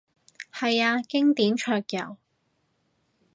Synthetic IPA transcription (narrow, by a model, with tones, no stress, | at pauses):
hɐ˨jaː˧kɪ˥ŋt̪iː˨˥nt͡ʃʰœː˧k̚jɐ̰˨˩w